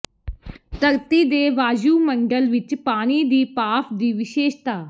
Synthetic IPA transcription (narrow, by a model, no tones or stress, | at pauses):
t̪əɾt̪iːd̪eːʋaːd͡ʒuːməɳɖəlʋɪt͡ʃpaːñiːd̪iːpaːpʰd̪iːʋɪʃeːʃt̪aː